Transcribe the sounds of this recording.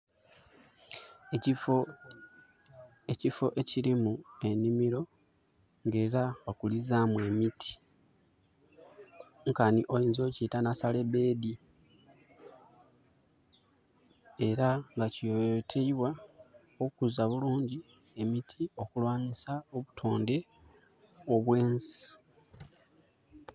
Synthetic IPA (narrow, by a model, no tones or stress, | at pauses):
o | ecifo̞ʔe̞ciɾimue̞nimiɾo̞ | ŋɡe̞ːɾawakulizamwe̞mitʰi̥ | ŋkaniʔo̞jiːnzio̞ːcitanasale̞be̞ːd̪i | e̞ɾaŋɡaciotʰeiβwa | okuzaβuluːɲɟi | e̞mitʰio̞kulwaːɲisaoβutʰo̞ːnde̞ | o̞βwe̞ːnsi̥